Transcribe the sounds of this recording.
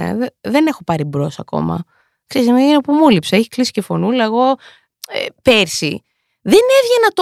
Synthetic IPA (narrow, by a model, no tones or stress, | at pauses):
ḛðeðe̞ne̞xo̞pɐɾibɾo̞sɐko̰mɐ̰ | ksesmeenɐpumulipsɐeçi̥klisi̥cefo̞nulɐeɣo̞ | ḛpeɾsi | ðe̞nevʝe̞nɐt̪